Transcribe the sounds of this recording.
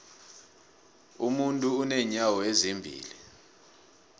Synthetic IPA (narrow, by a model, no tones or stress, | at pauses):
umuntʼuːnɛɲawɔezimbʱḭːli